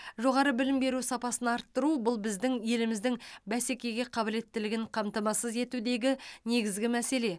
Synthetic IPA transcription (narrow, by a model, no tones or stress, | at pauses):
ʒo̞ʁɑɾəbɪlɪmbe̞ɾusɑpɑsənɑɑɾt̪ːəɾubʊlˠbɪzd̪ɪŋje̞lɪmɪzd̪ɪŋbæse̞kʲe̞ɡʲe̞qʰɑbɪle̞t̪ːɪlɪɡʲɪɴqʰɑmt̪ɑmɑsəze̞t̪ud̪e̞ɡʲɪne̞ɡʲɪzɡʲɪmæse̞le̞